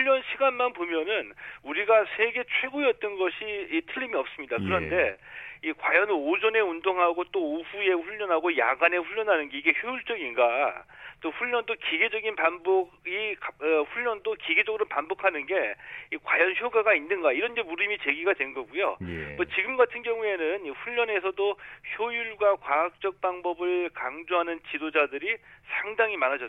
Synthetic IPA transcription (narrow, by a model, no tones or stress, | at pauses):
ʎːʌnɕʰiɡanmanpomjʌnɯnuɾiɡasʰe̞ɡe̞t͡ɕʰwe̞ɡoijʌt̚t͈ʌnɡʌɕʰiitʰɯʎːimiʌp̚s͈ɯmɲidakkɯɾʌnde̞ikwajʌnod͡ʑʌne̞undoŋɦaɡot͈oːɸue̞ɸuɭːʌnɦaɡoja̰ɡane̞ɸuɭːʌnɦanɯnɡe̞iɡe̞çjouɭt͡ɕ͈ʌɡinɡat͈oɸuʎːʌndokiɡe̞d͡ʑʌɡinpanboɡɡikʌɸuʎːʌndokiɡe̞d͡ʑʌɡɯɾopanbokʰanɯnɡe̞ikwajʌnçjoɡaɡainːɯnɡaiɾʌnɡe̞muɾimit͡ɕe̞ɡiɡadwe̞nɡʌɡujo̰j̰mʌt͡ɕiɡɯmɡatʰɯnɡjʌŋue̞nɯniɸuʎːʌne̞sʰʌdoçjojuɭɡwakwaak̚t͡ɕ͈ʌk̚p͈aŋbʌbɯɭkaŋd͡ʑoɦanɯnt͡ɕidod͡ʑadɯɾisʰaŋdaŋimanad͡ʑʌ